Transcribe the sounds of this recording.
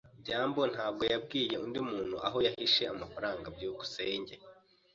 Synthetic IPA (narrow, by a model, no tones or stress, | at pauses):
bɟaːmbo̞n̥haːb̚ɡo̞jab̚ɡiːje̞undimuːn̥huʔaɦo̞jahɦiʃe̞amafaɾaːŋɡabjuːɡuseːɲɟe